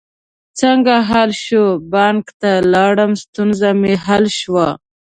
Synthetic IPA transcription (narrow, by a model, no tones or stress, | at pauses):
t͡səŋɡaɦalʃobɑŋkt̪alɑɽəmst̪unzameɦalʃwa